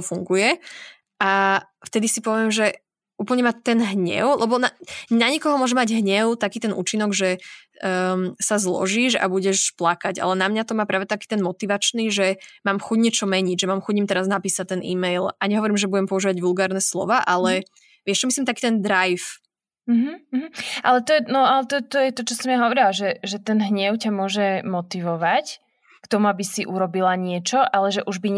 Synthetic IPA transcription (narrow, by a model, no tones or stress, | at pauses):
fuŋɡujɛ | ʔa | ft̪ɛd̪isipɔʋɪɛmʒɛ | uːpl̩ɲɛmat̪ɛnɦɲɛ̰ʊlɛbɔnanaɲɛkɔɦɔmʊɔʒɛmaɟɦɲɛʊt̪akiːt̪ɛnʔṵːt͡ʃinɔɡʒɛ | sazlɔ̰ʒiːʒa̰buɟɛʃplakaɟa̰lɛnamɲat̪ɔmaːpɾaːʋɛt̪akiːt̪ɛnmɔt̪iʋat͡ʃniʒɛmaːmxuɟɲɛt͡ʃɔmɛɲiʒɛmaːmxuɟɲimt̪ɛɾaznapiːsact̪ɛnʔḭːmɛjlaɲɛɦɔʋɔɾimʒɛbuɟɛmpɔuʒiːʋaɟʋulˠɡaːɾnɛslɔ̰ʋaːʔalɛ | ʋɪɛʃt͡ʃɔmislimt̪akiːt̪ɛnd̪ɾajf | m̩ɦm̩ːɦ̩ʔalɛt̪ɔɛnɔalɛt̪ɔt̪ɔjɛt̪ɔt͡ʃɔsɔmjaɦɔʋɔɾilaʒɛʒɛt̪ɛnɦɲɛʊcamʊɔʒɛmɔt̪iʋɔʋac | kt̪ɔmuabisiʔuɾɔbilaɲɪɛt͡ʃɔʔalɛʒɛʔuʒbi